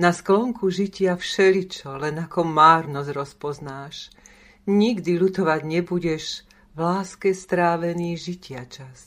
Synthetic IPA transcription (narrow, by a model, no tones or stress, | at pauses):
nasklɔŋkuʒicɪafʃɛlit͡ʃɔlɛnakɔmaːɾnɔzɾɔspɔznaːʃ | ɲiɡd̪ilut̪ɔʋaɟɲɛbuɟɛʒ | ʋlaːskɛst̪ɾaːʋɛniːʒicɪat͡ʃas